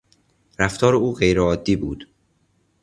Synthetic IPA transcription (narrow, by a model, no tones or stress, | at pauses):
ɾæft̪ʰɒːɾeuːɢejɾeɒːd̪ːiːbuːd̪̥